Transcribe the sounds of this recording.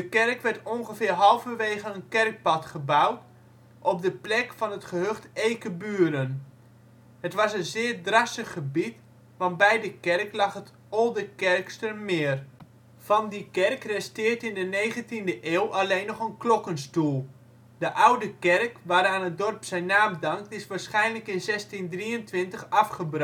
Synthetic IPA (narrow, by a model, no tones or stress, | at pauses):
dəkɛrkʋɛrtɔŋχəfɪːrɦɑlˠvəʋeːɣənənkɛrk̚pɑtχəbawt | ʔɔp̚dəplɛkfɑnətχəɦøχtejkəbyːɾən | hətʋɑsənzɪːrdrasəχːəbit | ʋɑnbɛjdəkɛrklɑχət | ɔlˠdəkɛrkstərmɪər | fɑndikɛrkrɛstɪːrtɪndənejχəntindəʔeːwʔalejnːɔχənklɔkənstulˠ | dəʔawdəkɛrkʋaːɾaːnət̚dɔrpsɛjnːaːmdɑŋk̚tɪsʋaːɹsχɛjnləkɪnzɛstindriəntʋɪntəχɑfχəbr